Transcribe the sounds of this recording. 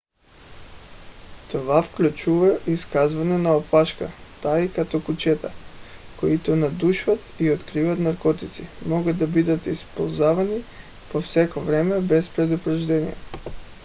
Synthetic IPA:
t̪ovafklʲut͡ʃuvaiskazvanɛnaopaʃka̰t̪aikat̪ɔkut͡ʃɛt̪akoit̪ɔnad̪uʃvat̪iot̪kɾivat̪naɾkɔt̪it̪simɔɡad̪ːabid̪at̪ispolˠzavani | pofsɛkovɾɛmɛbɛspɾɛd̪upɾaʒd̪ɛnḭjɛ̰

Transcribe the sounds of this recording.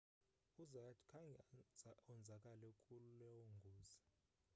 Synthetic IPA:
uzatʰkʰaŋ | ɔnd͡zʱakʼalɛkʼululɛwoŋɡʱuːz̥a

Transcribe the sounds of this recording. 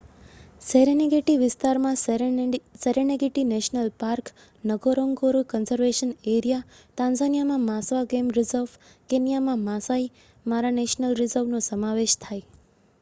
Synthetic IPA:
seɾeneɡeʈiʋɪst̪aɾmã | seɾeneɡeʈineʃnəlpaɾk | nəɡoɾõŋɡoɾukənzəɾʋeʃəneɾija | t̪ãnzanijamãmãsʋaɡemɾɪzəɾʋ | kenijamãmãsai | maɾaneʃnəlɾɪzəɾʋnosəmaʋeʃt̪ʰaj

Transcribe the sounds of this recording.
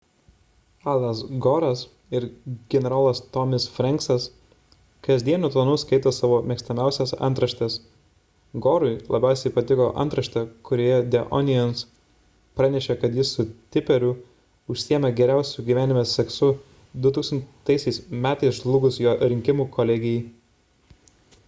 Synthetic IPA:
ɑlˠɐsɡɔːɾɐs | ɪɾɡʲɛnʲɛɾaːlˠɐst̪ɔmʲɪsfʲɾʲɛŋksɐs | kɐzʲd̪ʲiɛnʲʊt̪lˠɐnʊskɐɪt̪oːsɑːʋoːmʲɛksʲt̪ɐmʲæˑʊsʲɛsɐ̰nt̪ɾɐʃt̪ʲɛs | ɡoːɾʊɪlˠɐ̰bʲæˑʊsʲɛɪpɐt̪ʲɪkoːʔɐ̰nt̪ɾɐʃʲt̪ʲɛkʊɾʲoːjɛd̪ʲɛʔɔ̰nʲɪjɛns | pɾɑnʲɛʃʲɛkɐt̪jɪsʊt̪ʲɪpʲɛɾʲʊ | ʊʃʲsʲijɛmʲɛɡʲɛɾʲæˑʊsʲuɡʲiʋʲæːnʲɪmʲɛssʲɛksʊ | d̪ʊt̪uːksɐnt̪ɐɪsʲɛɪsmʲæːt̪ɐɪsʒlˠʊːɡʊsjoːɾʲɪŋʲkʲɪmuːkoːlʲɛɡʲɪjɛɪ

